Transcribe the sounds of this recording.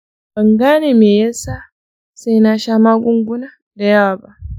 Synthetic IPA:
ba˨ŋɡa˦ne˦me˨je˦sa˦ | se˦na˨ʃa˦ma˦ɡu˦ŋɡu˦na˦ | de˦ja˦˨ba˨

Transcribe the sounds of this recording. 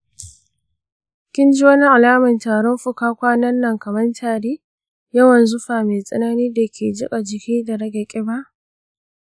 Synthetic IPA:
kʲɪ˦nd͡ʒi˦wɐ˦ni˦ʔa˨laː˦mɐ˨ntaː˨ɽɔ˦mɸʊ˦kaː˦kʷaː˦nɐ˦nːɐ˨ŋkɐ˨mɐ˦ntʰaː˨ɽeː˦ | jɐ˦wɐ˨nzʊ˦ɸaː˨meː˨sʼɐ̰˦na˦niː˦da˨kʲʰeː˨d͡ʒɪ˦kʼa˨d͡ʒɪ˨kʲiː˦da˨ɽɐ˦ɡɐ˨kʲʼɪ˦ba˦ʔ

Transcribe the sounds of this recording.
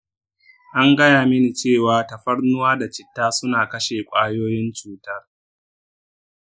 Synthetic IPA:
ʔa˦ŋɡɐ˦jaː˨mɪ˦ni˨t͡ʃeː˦˨waː˨tɐ˨ɸɐ˦ɽnʊ˦waː˦da˨t͡ʃɪ˨tːaː˦sʊ˦naː˨kɐ˦ʃeː˨kʷʼaː˦joː˦jɪ˦nt͡ʃuː˦tɐ˦r

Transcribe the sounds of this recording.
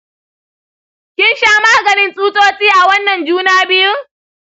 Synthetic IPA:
kʲɪ˦nʃaː˦maː˦ɡɐ˨nɪ˦nsʼuː˦tʼoː˦t͡ʃʼiː˦ʔa˨wɐ˦nːɐ˨nd͡ʒuː˦naː˦bɪ˦jʊ˦ŋ

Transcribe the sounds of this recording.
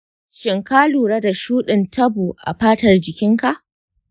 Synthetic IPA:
ʃɪ˨ŋkaː˦luː˨ɽa˦da˨ʃuː˦ɗɪ˨ntʰɐ˦buː˨ʔa̰˨ɸaː˦tɐ˨rd͡ʒɪ˨kʲɪ˦ŋka˨ʔ

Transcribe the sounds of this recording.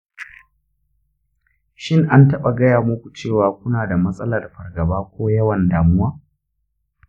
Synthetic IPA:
ʃɪ˦˨ŋʔa˦ntɐ˦ɓa˨ɡɐ˦jaː˨mʊ˦kʷu˨t͡ʃeː˦˨waː˨kʷʊ˦naː˨da˨mɐ˦sʼɐ˦la˨rɸɐ˨rɡɐ˨baː˦kʷoː˦jɐ˦wɐ˨ndaː˨mʊ˦waː˦

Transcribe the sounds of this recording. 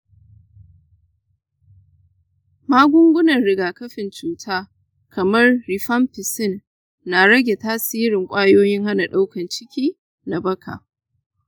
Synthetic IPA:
maː˦ɡʷʊ˦ŋɡʷʊ˦nɐ˨nɽɪ˨ɡaː˨kɐ˦ɸɪ˨nt͡ʃuː˦tʰaː˦ | kʰɐ˨mɐ˦rːi˨ɸɐ˦mpɪ˨sɪ˦˨nː | a˨ɽɐ˦ɡʲe˨taː˦siː˦ɾɪ˨ŋkʷʼaː˦joː˦jɪ˦ŋha˦na˨ɗa˦wkɐ˨nt͡ʃɪ˦kʲiː˦ | na˨bɐ˦kʰa̰ː˨

